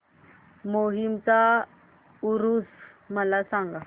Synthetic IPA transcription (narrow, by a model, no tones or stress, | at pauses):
moɦimt͡sa | uɾus | məlasãŋɡa